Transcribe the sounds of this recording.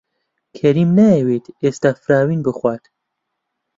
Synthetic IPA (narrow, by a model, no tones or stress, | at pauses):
kʰɛɾiːmnaewet̪eːst̪aːfɨɾaːwiːnbɨxwʷaːt̪